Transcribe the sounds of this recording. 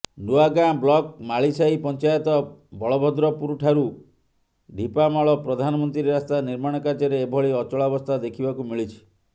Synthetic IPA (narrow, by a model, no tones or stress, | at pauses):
ɖuaɡablɔk̚maɭisaipɔnt͡ʃajɔt̪ɔbʱɔɭɔbʱɔd̪ɾɔpuɾuʈʰaɾu | ɖʱipamaɭɔpɾɔd̪ʱanɔmɔnt̪ɾiɾeɾast̪aniɾmaɽ̃ɔkad͡ʒɔɾeːbʱɔɭiɔt͡ʃɔɭabɔst̪ʰad̪ekʰibakumiɭit͡ʃʰi̥